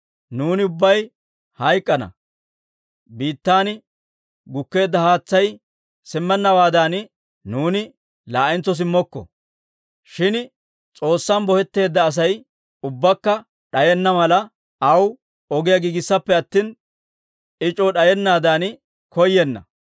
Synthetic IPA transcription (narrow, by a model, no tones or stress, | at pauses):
nuːnɪʊbːɐj | hɐjkʼːɐnɐ̰ | biːt̪ːaːn | ɡʊkːe̞ːd̪ːɐhaːt͡sːɐj | sɪmːɛnːɐwaːd̪an | nuːnɪ | laːʔɪnt͡sːɔs̬ɪmːɔkːɔ̰ | ʃɪn | t͡sʼo̞ːsːɐnbɔhɛt̪ːe̞ːd̪ːɐːs̬ɐj | ʊbːɐkːɐ | ɗɐjɛnːɐmɐlɐ | ɐw | ɔɡɪjɐɡiːɡɪsːɐpːɛɐt̪ːiːn | ɪt͡ʃʼɔɗɐjɛnːaːd̪an | kɔjːɛnːɐ̰